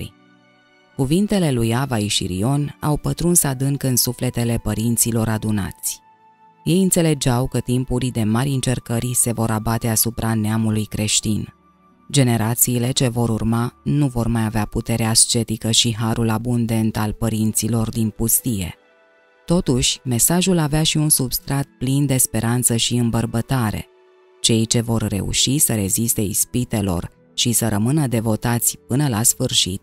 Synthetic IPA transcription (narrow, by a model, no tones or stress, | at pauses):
ɾḭ | kuvint̪e̞le̞lujavaiʃḭɾḭo̞na̰wpət̪ɾunsəad̪ɨŋkɨnsufle̞t̪e̞le̞pəɾint̪silo̞ɾad̪una̰t̪sʲ | je̞jɨnt̪se̞le̞d͡ʒawkət̪impuɾid̪e̞maɾʲɨnt͡ʃe̞rkəɾse̞vo̞ɾabat̪e̞asupɾʔaneamulujkɾe̞ʃt̪in | d͡ʒe̞ne̞ɾat̪siːle̞t͡ʃe̞vo̞ɾurmanuvo̞rmajaveaput̪e̞ɾeast͡ʃe̞t̪ikəʃiɦaɾulabund̪e̞nt̪alpəɾint̪silo̞rd̪inpust̪ije̞̰ | t̪o̞t̪uʃʲme̞saʒulaveaʃiunsubst̪ɾat̪̚plind̪e̞spe̞ɾʔant̪səʃiɨmbərbət̪aɾe̞̰ | t͡ʃe̞jt͡ʃe̞vo̞rːe̞̰ṵʃisəɾe̞zist̪e̞ispit̪e̞lo̞̰r | ʃisəɾəmɨnəd̪e̞vo̞t̪at̪sʲp̚ɨnəlasfɨrʃḭt̪̚